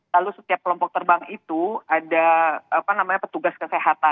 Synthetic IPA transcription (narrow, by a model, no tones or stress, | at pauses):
lalusət̪iap̚kəlɔmpɔk̚t̪ərbaŋit̪uadaapanamaɲapət̪uɡaskəseɦat̪a